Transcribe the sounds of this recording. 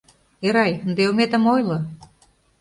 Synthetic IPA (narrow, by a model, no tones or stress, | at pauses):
eɾɑjnd̪eomet̪ə̆mojlɤ̆